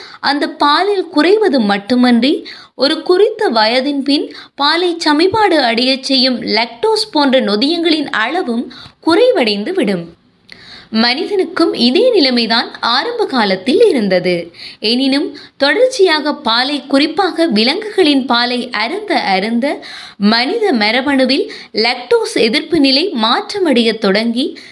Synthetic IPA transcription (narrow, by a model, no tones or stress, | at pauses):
ʔɐnd̪ɐpːaːlɪlkʊrɐɪʋɐðɯmːɐʈːɯmɐndri | ɔɾɯkʊrɪt̪ːɐʋɐjɐðɪnpɪnpaːlɐɪt͡ʃɐmɪpaːɽɯɐɽɐjɐt͡ʃːɛjːɯmlɛk̚ʈoːspoːndrɐnɔðɪjɐŋɡɐɭɪnɐɭɐʋɯmkʊrɐɪʋɐɽɐɪnd̪ɯʋɪɽɯm | mɐnɪðɐnɯkːɯmɪðeːnɪlɐɪmɐɪðaːnaːɾɐmbɐɣaːlɐt̪ːɪlɪɾɯnd̪ɐðɯɛnɪnɯmt̪ɔɽɐɾt͡ʃːɪjaːɣɐpaːlɐɪkːʊrɪpːaːɣɐʋɪlɐŋɡɯɣɐɭɪnpaːlɐɪʔɐɾɯnd̪ɐʔɐɾɯnd̪ɐ | mɐnɪðɐmɐɾɐʋɐɳɯʋɪl | lɛk̚ʈoːsɛðɪɾpɯnɪlɐɪmaːʈrɐmɐɽɪjɐt̪ːɔɽɐŋɡi